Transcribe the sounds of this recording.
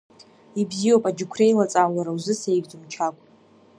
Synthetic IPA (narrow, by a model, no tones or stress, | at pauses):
ibzio̞wpʼad͡ʒɪkʷʰre̞jlat͡sʼalaɾawzɨsejɡd͡zʼɨmt͡ʃʰakʷʼ